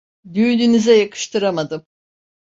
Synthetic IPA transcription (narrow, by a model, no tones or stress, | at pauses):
d̪yːnynizɛjakʰɯ̥ʃt̪ʰɯɾamad̪ɯm